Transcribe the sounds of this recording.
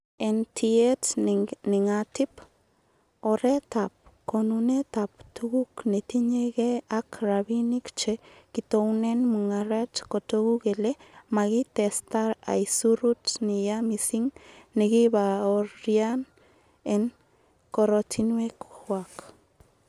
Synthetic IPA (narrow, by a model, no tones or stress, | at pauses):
entʰietniŋatip | oɾetap̚konunet̪ap̚tuɡuknet̪iɲeɣeakɾaβinikt͡ʃekit̪ownenmuŋaɾetkot̪oɣukelemaɣit̪est̪aɾa̰jsuɾutnijamisiŋneɡibaoɾjan | en | koɾotʰinwekhwak